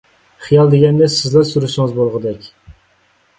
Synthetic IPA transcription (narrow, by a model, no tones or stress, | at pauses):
χijɑlˠd̪eɡʲɛnːɪsɪzlæɾsuɾɨʃɪŋɨzbolˠʁɨd̪ɛkʲ